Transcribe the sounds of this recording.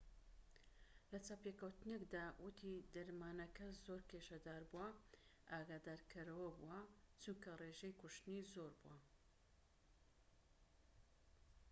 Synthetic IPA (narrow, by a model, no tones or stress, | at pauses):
lɐt͡sapekɐwt̪ɨnekd̪aːwʊt̪ʰid̪ɐɾmaːnɐkɐzoɾkʰeʃɐd̪aːɾbuwɐʔaːɡaːd̪aːɾkʰɨɾɐwɐbuwɐt͡ʃunkɐreʒejkuʃt̪ɨnizoɾbuwɐ